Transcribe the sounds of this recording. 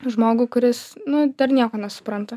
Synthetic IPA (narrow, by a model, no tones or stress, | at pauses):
ʒmoːɡʊkʊɾʲɪsnʊd̪̥ɐɾnʲiɛkoːnʲɛsʊ̥pɾɐnt̪ɐ